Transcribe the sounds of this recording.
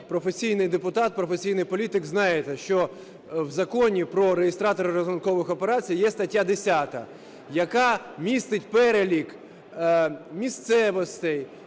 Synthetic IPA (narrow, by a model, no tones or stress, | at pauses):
pɾɔfesʲijnɪjd̪epʊt̪ɑt̪̚pɾɔfesʲijnɪjpɔlʲit̪ɪɡznɑjet̪ɛʃt͡ʃɔ | wzɐkɔnʲipɾɔɾejest̪ɾɑt̪ɔɾɪɾɔzʊnkɔʋɪxɔpeɾɑt͡sʲijjɛst̪ɐtʲːad̪esʲat̪ɐ̰ | jɐkɑmʲist̪ɪt̚ʲpɛɾelʲik | mʲist̪sɛʋɔst̪ɪj